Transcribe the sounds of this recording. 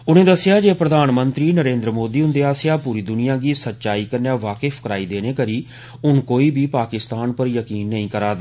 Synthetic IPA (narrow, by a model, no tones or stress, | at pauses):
ʊnẽːd̪əsːɪjaːd͡ʒeːpɾəd̪ʱaːnmə̃nt̪ɾiːnəɾẽːnd̪ɾəmoːd̪iːʊnd̪eːaːsejaːpuːɾiːd̪ʊnɪjãːɡiːsətːʃaːiːkəɾnaːʋaːkɪfʰkəɾaːiːd̪eːneːkəɾiː | ʊnkoːiːbiːpaːkɪst̪aːnpəɾjəkiːnːəĩːkəɾaːd̪